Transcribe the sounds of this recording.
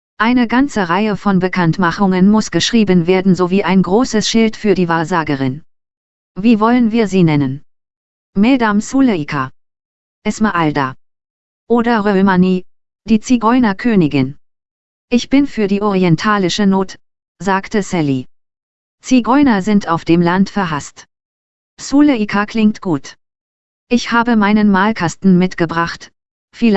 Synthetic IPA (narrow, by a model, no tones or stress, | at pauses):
ʔaɪnəɡant͡səʁaɪəfɔnbəkʰantmaχʊŋənmʊsɡ̥əʃʁ̥iːbənveːɐdn̩zoviːʔaɪnɡʁoːsəsʃɪltfyːɐdiːvaːɐzaːɡəʁɪn | viːvɔlənviːɐziːnɛnən | mɛdamsuləkʰa | ʔɛsməʔalda̰ | ʔoːdɐʁømaniː | d̥iːt͡siɡɔʏnɐkʰøːnɪɡɪn | ʔɪçb̥ɪnfyːɐdiːʔɔʁiɛntʰaːlɪʃənoːt | z̥aːktəsɛli | t͡siɡɔʏnɐzɪntaʊfd̥eːmlantfɛɐɦast | suːləikʰakʰlɪŋtɡ̥uːt | ʔɪçhaːbəmaɪnənmaːlkʰastn̩mɪtɡ̥əbʁaχt | fiːl